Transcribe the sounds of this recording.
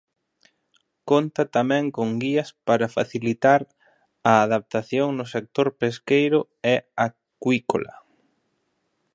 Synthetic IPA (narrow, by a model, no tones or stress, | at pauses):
kont̪ɐt̪amɛ̃ŋkoŋɡiɐspaɾɐfa̰θilit̪aɾ | ɐːðap̚t̪aθjoŋnʊsek̚t̪oɾpeskejɾʊ | ɛa | kwiko̰lɐ̰